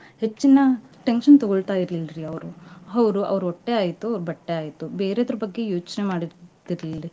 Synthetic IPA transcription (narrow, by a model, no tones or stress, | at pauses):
het͡ʃːinɐʈenʂɐnt̪ɔɡoɭt̪aːjiɾlilɾiɐʋɾuɐʋɐɾuʔɐ̰ʋɐɾuɔʈːe̞aːjit̪ːuɐʋɾubɐʈːeaːjit̪ːube̞ːɾeɐd̪ɐɾubɐɡːe̞jo̞ːt͡ʃnemaːɽid̪iɾɐlilɾi